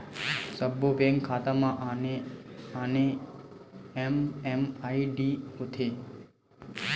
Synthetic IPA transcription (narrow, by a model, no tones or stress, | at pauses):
səbːopeŋɡkʰat̪amãʔeane | ememaiɖiot̪ʰe